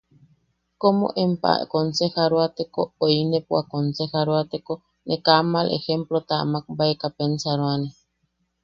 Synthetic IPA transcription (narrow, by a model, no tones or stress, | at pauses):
komo̰ʔempa̰konsexaɾwat̪ekooinepwakonsexaɾwat̪eko | nʔekamalʔḛxemplot̪a̰ːmak̚baekapensaɾoane